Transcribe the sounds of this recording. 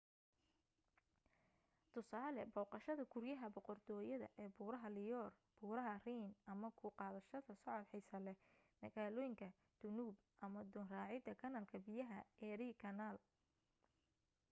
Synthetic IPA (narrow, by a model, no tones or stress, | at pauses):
t̪ʰʊsaːlɛbɔːqɑʃɐðɐkʰʊrjɐɦɐbɔqɔrt̪ʰɔːjɐðɐ̰ʔɛːbuːɾɐɦɐlɪjɔːr | b̥uːɾɐɦɐriːnʔɐmɐkʰʊqɑːðɐʃɐðɐsɔʕɔd̪ħɛjsɐlɛmɐɣaːlɔːjɪŋkʰɐ | d̪̥ʊnuːb | ʔɐmɐd̪ɔnraːʕɪd̪ɐkʰɐnɐlkʰɐbɪjɐɦɐɛɾikʰɐnaːl